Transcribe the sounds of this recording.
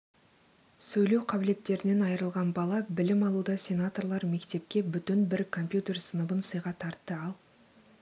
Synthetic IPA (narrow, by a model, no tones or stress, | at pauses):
sɵjlewqʰɑbɪle̞t̪ːe̞ɾɪne̞nɑjəɾəlˠʁɑnbɑlˠɑbɪlɪmɑlˠud̪ɑsʲe̞nat̪o̞rlˠɑɾme̞kt̪e̞p̚kʲe̞bʏt̪ɪnbɪɾkʰo̞mpʲjut̪e̞rsənəbənsəjʁɑt̪ʰɑɾt̪ːəɑlˠ